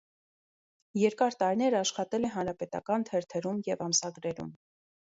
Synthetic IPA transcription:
jɛɾkɑɾt̪ɑɾinɛɾəɑʃχɑt̪ɛlɛɦɑnɾɑpɛt̪ɑ̰kɑnt̪ʰɛɾt̪ʰɛɾumjɛvɑmsɑɡɾɛɾṵm

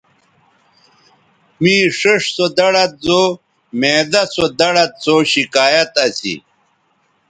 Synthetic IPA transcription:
mĩːʂeʂsod̪ɐɽɐt̪̚zo | meːd̪ɐsod̪ɐɽɐt̪̚soːɕikaːjɐt̪ɐsḭ

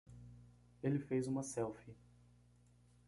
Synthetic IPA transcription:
elɪfejzũmɐsɛwfɪ

